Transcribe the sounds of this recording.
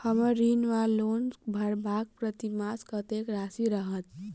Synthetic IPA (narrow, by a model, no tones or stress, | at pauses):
həməɾːinʋalonbʱəɾbak̚pɾət̪imaskət̪ekɾasiɾəɦət̪